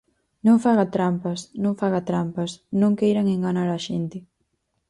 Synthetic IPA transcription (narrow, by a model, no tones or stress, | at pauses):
nõŋfaɣat̪ɾampɐsnõŋfaɣat̪ɾampɐsnõŋkejɾaŋeŋɡanaɾaʃent̪ɪ